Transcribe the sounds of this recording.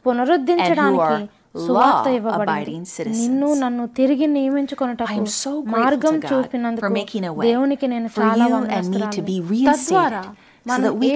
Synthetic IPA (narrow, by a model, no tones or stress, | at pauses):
punɐɾud̪ʱːiɲt͡ʃɐɽaːiki | suaːt̪ːɐiʋːɐbɐɽɐnĩnsɪɾɨninːunɐnːut̪iɾiɡinijɐmiɲt͡ʃukɔnɐʈɐːumomaːɾɡɐmt͡ʃuːpinɐnd̪ukmekɪ̃ŋəd̪e̞ːwunikine̞ːnut͡ʃaːlaːãmɐiːɨbiɹit̪ɐd̪ʋaːɾaː | mɐni